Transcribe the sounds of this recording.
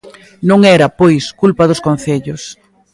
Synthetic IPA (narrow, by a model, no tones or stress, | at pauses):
nõŋɛɾɐpojskulpɐðʊskõn̟θeʎʊs